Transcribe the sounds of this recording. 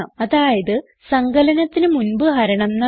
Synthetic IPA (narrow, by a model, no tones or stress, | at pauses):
ɐmɐðaːjɐðɨ | sɐŋɡɐlɐnɐt̪ːinɨmunbɨɦɐɾɐɳɐmnːɐ